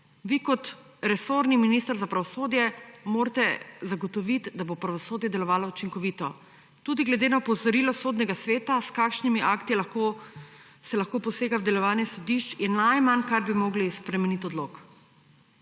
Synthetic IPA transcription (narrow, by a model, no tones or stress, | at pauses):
ʋikɔt̪ɾɛsoɾniminist̪əɾzapɾaʋɔsoːd̪jɛmoːɾt̪ɛzaɡɔt̪ɔʋit̪d̪abopɾaʋɔsoːd̪jɛd̪ɛlɔʋaːlɔut͡ʃiŋkɔʋiːt̪ɔ | t̪uːd̪iɡlɛd̪enapɔzɔɾilɔsoːd̪nɛɡasʋeːt̪askaːkʃnimiʔaːkt̪ilaxko | sɛlaxkopɔseːɡawd̪ɛlɔʋaːnjɛsɔd̪iʃt͡ʃjɛnajmankaɾbimoːɡlispɾɛmɛnit̪ɔd̪lok